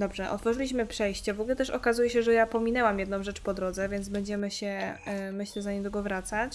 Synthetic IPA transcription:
d̪ɔbʐɛʔɔ̰t̪fɔʐɘlʲiɕ̬mɘpʂɛjɕt͡ɕɛvɔɡulɛt̪ɛʂɔkazujɛɕɛʐɛjapɔmʲinɛwamjɛd̪nɔ̃w̃ʐɛt͡ʂpɔd̪ɾɔd̪zɛvʲjɛnd̪zbɛɲd͡ʑɛmɘɕɛmɘɕlɛzaɲimd̪ɔɡɔvɾat̪sat͡ɕ

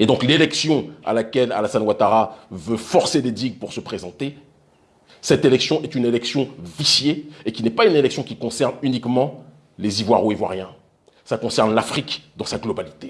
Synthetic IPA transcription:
ed̪ɔ̃klelɛksjɔ̃a̰lakʲɛla̰lasanwat̪aʁavøfɔʁseled̪iɡpuʁsəpχezɑ̃t̪e | sɛt̪elɛksjɔ̃ʔɛt̪ynelɛksjɔ̃visjeːkʲinɛpaynelɛksjɔ̃kʲikɔ̃sɛʁnynikmɑ̃ | lezivwaʁoivwa̰ʁjɛ̃ | sakɔ̃sɛʁnlafχikd̪ɑ̃saɡlɔbalit̪e

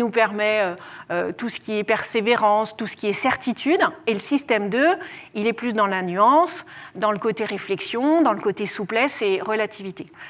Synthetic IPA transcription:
nupɛʁmɛøøt̪usə̥kʲiɛpɛʁseveʁɑ̃st̪usə̥kʲiɛsɛʁt̪it̪ʰyd̪eləsist̪ɛmd̪øilɛplysd̪ɑ̃lanyɑ̃sd̪ɑ̃ləkot̪eʁeflɛksjɔ̃d̪ɑ̃ləkot̪esuplɛseʁəlat̪ʰivit̪e

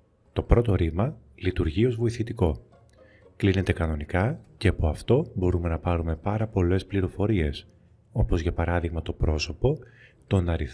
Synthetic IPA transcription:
t̪o̞pɾo̞t̪o̞ɾimɐlit̪uɾʝio̞zvo̞iθit̪iko̞ | kline̞t̪e̞kɐno̞nikɐceɐpo̞ɐft̪o̞bo̞ɾume̞nɐpɐɾume̞pɐɾɐpo̞le̞spliɾo̞fo̞ɾie̞s | o̞pozʝɐpɐɾɐðiɣmɐt̪o̞pɾo̞so̞po̞t̪o̞nɐɾiθ

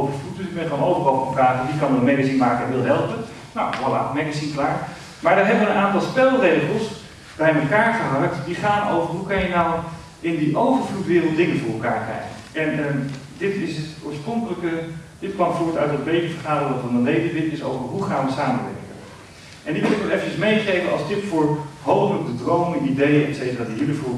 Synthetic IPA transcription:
owvəɹflutəɛnχɔnowvərovəməkaːədikɑnənmɛɡəzinmaːkəɛnʋɪlˠɦɛlˠpən | nawʋɔla̰mɛɡasinklaːɹ | maːɹdɔɹɦɛbəʋəənʔaːntɑlˠspɛlˠrejχəlˠs | b̥ɛjməkaːɹχəɦak̚tdiχaːno̰wvərɦukɑnjənaw | ʔɪndiʔowvərflutʋɪːrəlˠtdɪŋənfʊːɹməlˠkaːɹkrɛ̰jənɛnədɪtɪsɦətʊːɹsproŋkələkəd̥ɪtkɑnfʊːɹətœɥtət̚bejtəvəɹχaːdərəŋfɑndənlejdəʋɪtɪso̰wvəɹɦuχaːnʋəsaːmənʋɛ̰ɹkə̰n | ʔɛndikʊnəkʋɛlˠefənt͡ʃəsmejχejvənɑ̰lˠstɪpfʊːɹɦowpələk̚dədrowmənidejəɛtsejtəraːdiɦilifuː

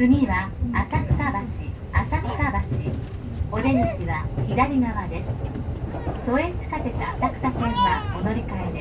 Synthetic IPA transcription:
ɯ̟mʲiβaasakɯ̟̥t̪abaɕi | asakɯ̟̥t̪abaɕi | o̞d̪e̞ɲ̟iɕiβaçid̪aɾʲiɡaβad̪e̞sɨ̥ | t̪o̞ẽ̞ɲt͡ɕi̥kat̪e̞t̪aːt̪akɯ̟̥t̪asẽɰβaod̪o̞ɾʲikaed̪e

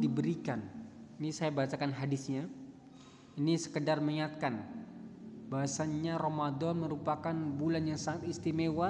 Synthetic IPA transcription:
dibəɾikaninisajabat͡ʃakanɦadisɲa | inisə̥kədarməŋiŋat̪̚kan | baɦasaɲaɾomadɔnməɾupakanbulanjaŋsaŋat̪ist̪imewa

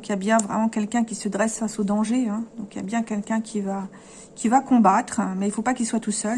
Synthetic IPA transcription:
ɔ̃kjabjɛ̃vʁɛ̰mɑ̃kʲɛlkʲɛ̃kʲisəd̪ʁɛsfasod̪ɑ̃ʒeɛ̃d̪ɔ̃kja̰bjɛ̃kʲɛlkʲɛ̃kʲʰiva | kʲʰivakɔ̃bat̪χmɛilfopakilswat̪usœl

